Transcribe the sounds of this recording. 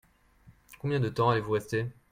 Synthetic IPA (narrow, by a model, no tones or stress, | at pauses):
kɔ̃bjɛ̃d̪ət̪ɑ̃alevuʁɛst̪e